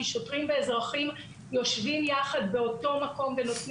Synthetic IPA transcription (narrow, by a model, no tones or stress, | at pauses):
iʃotʁimveezʁaχim | jo̞ʃvimjaχad̪be̞o̞to̞mako̞mve̞no̞tn